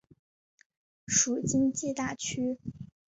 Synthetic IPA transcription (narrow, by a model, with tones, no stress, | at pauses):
ʂu˨˩t͡ɕi˥nt͡ɕɛ˥˧t̪a˥˩t͡ɕʰy˥